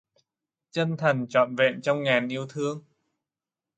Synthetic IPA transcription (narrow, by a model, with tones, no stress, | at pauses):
t͡ɕə˧nt̪ʰə˨˩ŋt͡ɕɔ̰˧˨nvḛ˧˨nt͡ɕɔ˧wŋ͡mŋaː˨˩nʔi˧əwt̪ʰɨ˧əŋ